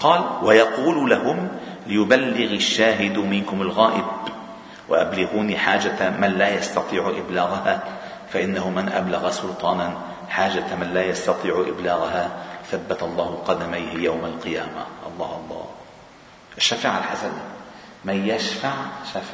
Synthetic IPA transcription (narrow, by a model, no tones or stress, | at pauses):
qɑːlwajɑquːllahʊmlɪjʊbalːɪɣaʃːaːɦɪd̪mɪnkʊmalɣaːʔɪb | wa̰ʔablɪɣuːniħaːd͡ʒamanlaːjɑst̪ɑt̪ˤiːʕʊʔɪblaːɣaha | faʔɪnːahʊmanʔa̰blaɣasʊlt̪ˤɑːna | ħaːd͡ʒat̪manlaːjɑst̪ɑt̪ˤiːʕʊʔɪblaːɣaɦaθabːat̪ɑlˤːɑːhʊqɑd̪amajhɪjawmalqɨjaːma̰ʔɑ̰lˤːɑːhʔɑlˤːɑ̰ː | ʔaʃːaːfaʕalħasan | manjaʃfaʕʃaf